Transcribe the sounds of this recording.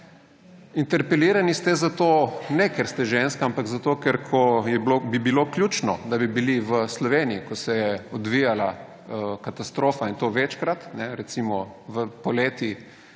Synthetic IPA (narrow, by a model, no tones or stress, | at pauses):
int̪ɛɾpɛliːɾanist̪ɛzat̪oːnɛkɛɾst̪ɛʒenskaampaɡzat̪oːkɛɾkʰɔjɛblobibilokljuːt͡ʃnɔ̰d̪abibiliʋəslɔʋeːniikɔsɛjɛɔd̪ʋijala | kat̪ast̪ɾoːfaint̪oʋɛt͡ʃkɾat̪nɛɾɛt̪simɔ | ʋəpɔleːt̪i